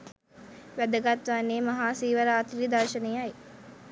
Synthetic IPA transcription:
ʋæd̪əɡat̪ʋanːeːmɐɦaːsiːʋəɾaːt̪ɾid̪aɾʃənejaj

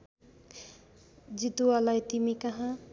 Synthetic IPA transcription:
d͡ʒit̪ualajt̪imikaɦã

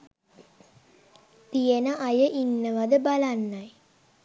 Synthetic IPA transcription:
t̪ijənəʔajəʔinːəʋad̪əbalanːaj

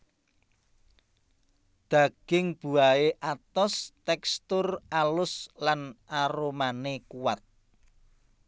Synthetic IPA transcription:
d̪̥a̤ɡ̥ɪŋb̥ṳaeʔat̪ɔst̪ɛkst̪ʊralʊslanaɾomanekuwat̪̚

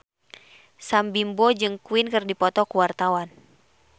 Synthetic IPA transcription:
sambimbɔd͡ʒɨŋkuinkɨrdipɔt̪ɔkuwart̪awan

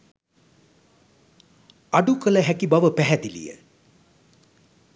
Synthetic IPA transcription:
aɖukələɦækibaʋəpæɦæd̪ilḭjə̰

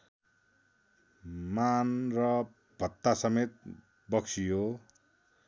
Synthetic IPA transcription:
manrʌ | b̥ʱʌt̪ːasʌmet̪̚ | bʌksʰijo

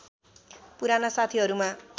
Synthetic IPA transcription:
puɾanʌsat̪ʰiɦʌɾuma

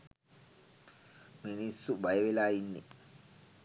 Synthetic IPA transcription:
ministubajɛbɛlajinːḭ

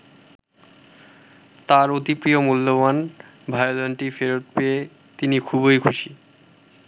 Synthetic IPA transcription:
t̪aɾot̪ipɾiomulːoban | bʱaeod̪onʈifeɾot̪̚pee | t̪inikʰuβojkʰuʃi

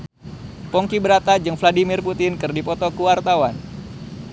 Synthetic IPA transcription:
pɔŋkibəɾat̪ad͡ʒɨŋfladimɪrput̪ɪnkɨrdipɔt̪ɔkuwart̪awan

